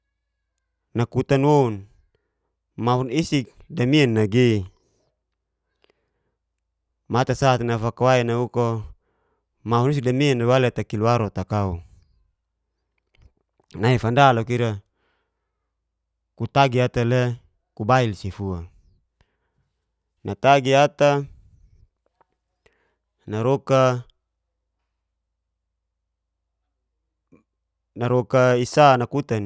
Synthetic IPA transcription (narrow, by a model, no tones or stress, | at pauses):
nakut̪anwoun | maɦunisik̚damianːaɡi | mat̪asat̪nafakawainauko | maɦunis̬ik̚damianawalet̪akiluaɾot̪akau | naifandalokiɾa | kut̪aɡiat̪ale | kubailsifua | nʔat̪aɡiat̪a | naɾɔka | naɾɔkaisanakut̪an